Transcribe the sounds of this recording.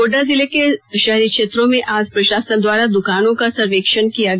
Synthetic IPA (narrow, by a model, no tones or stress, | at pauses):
oːɖazɪlekeʃɐɦɾikʃeːt̪ɾõmẽʔaːd͡ʒpɾɐʃaːsənd̪ʋaːɾad̪ʊkaːnõkasɐɾʋeːkʃənkijaɡ